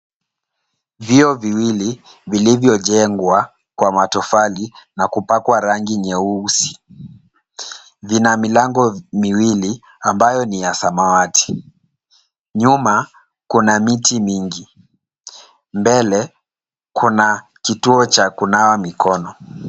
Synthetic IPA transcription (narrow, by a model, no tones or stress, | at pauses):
viɔviwili | vilivjɔʄɛŋɡwa | kwamatɔfalinakupakwaɾaŋɡiɲɛusi̥ | vinamilaŋɡɔmiwili | ambajɔnijasamawati̥ | ɲuma | kunamitimiŋɡi | mbɛlɛ | kʰunakituɔt͡ʃakunawamikɔnɔ